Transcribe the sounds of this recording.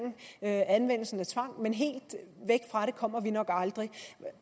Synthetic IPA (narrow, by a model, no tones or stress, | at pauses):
n̩ænʋen̰l̩sn̩æt͡sʰʋɑ̈ŋ̰menɦe̝̰ːld̥ʋeɡ̥̚fʁɑ̈ɾe̝kʰɒ̽m̰ɐʋinɒ̽ɡ̥ɑ̈ld̥ʁi